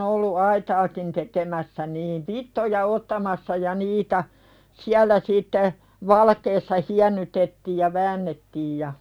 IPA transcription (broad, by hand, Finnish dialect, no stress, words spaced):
olːu ɑitɑːkin tekemæsːæ niːn ʋitːojɑ otːɑmɑsːɑ jɑ niːtæ siælˑæ sitːe ʋɑlɑkeːsːɑ hiænːytetːiːj jɑ ʋæːnːetːiːj jɑ